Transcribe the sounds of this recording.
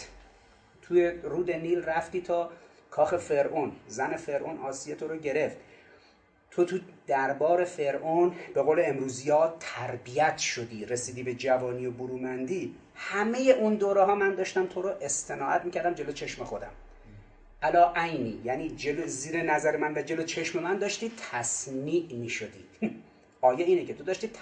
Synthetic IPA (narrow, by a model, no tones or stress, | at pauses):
t̪ʰujeruːd̪e̞niːlræft̪iːt̪ʰɒː | kʰɒːxe̞fe̞ɾʔonzæne̞fe̞ɾʔonɒːsiːje̞t̪ʰoɾoɟe̞ɾe̞ft̪̚ | t̪ʰot̪ʰud̪̥æɾbɒːɾe̞fe̞ɾʔonb̥e̞ɣoːleemɾuːzijɒːt̪ʰæɾbijæt̪ʰʃod̪iːɾe̞siːd̪iːbe̞d͡ʒævɒːniːoboɾuːmænd̪iː | hæme̞jeʔund̪oːɾeɦɒːmænd̪ɒːʃt̪æmt̪ʰoɾoʔe̞st̪e̞nɒːʔæt̪miːcʰæɾd̪æmd͡ʒe̞lot͡ʃʰe̞ʃme̞xod̪æ̰m | ʔælɒːʔæjniːjæniːd͡ʒeloziːɾenæzæɾemænvæd͡ʒe̞lot͡ʃʰe̞ʃme̞mænd̪ɒːʃt̪iːt̪ʰæsmiːʔmiːʃod̪ḭː | ʔɒːjeiːnecʰe̞t̪ʰod̪ɒːʃt̪iːt̪ʰ